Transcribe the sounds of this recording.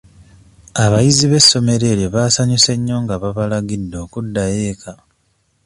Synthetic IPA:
aβajiziβe̞sːo̞me̞ɾe̞ːɾjoβaːsaɲuse̞ɲːo̞ːŋɡaβaβalaɡidːo̞ːkudːaje̞ːkʰa

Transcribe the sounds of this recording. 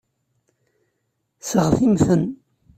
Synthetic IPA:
səʁθimθən

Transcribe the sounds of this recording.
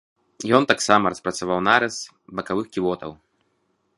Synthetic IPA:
jɔnt̪aksamɐɾɐspɾɐt̪savawnaɾɛs | bɐkavɨxkʲivɔt̪ɐ̰w

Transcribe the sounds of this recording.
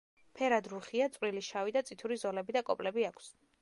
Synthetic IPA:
pʰɛɾad̪ɾuχiat̪sʼwɾiliʃavid̪at̪sʼit̪ʰuɾizɔlɛbid̪akʼɔpʼlɛbiakʰs

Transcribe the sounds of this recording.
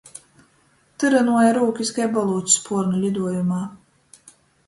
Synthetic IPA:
t̪ɨɾanuɔjaɾuːkʲiskajbɔlˠuːt̪ʲi̥spʰuɾnulʲid̪uɔjumaː

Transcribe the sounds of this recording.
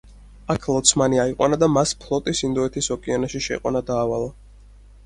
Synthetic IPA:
akʰlˠɔt̪sʰmaniaiqʼwa̰nad̪amaspʰlˠɔt̪ʼisind̪ɔɛt̪ʰisɔkʼianaʃiʃɛ̰qʼwa̰nad̪aːvalˠa

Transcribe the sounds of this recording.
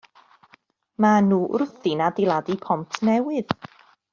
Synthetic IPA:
manuːʔrʊθɨnadɪlˠadipʰɔmtʰnɛwɨð

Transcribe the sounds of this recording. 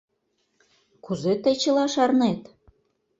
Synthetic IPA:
kuzet̪ə̆jt͡ɕə̆lɑʃɑrnet̪

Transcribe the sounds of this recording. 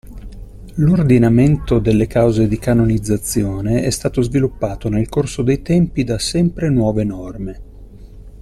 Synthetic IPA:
lord̪inament̪od̪elːekawzed̪ikanonid̪zːat̪sːjoːneɛst̪aːt̪ozvilupːaːt̪onelkorsod̪ejt̪ɛmpid̪asɛmpɾenwɔːvenɔrme

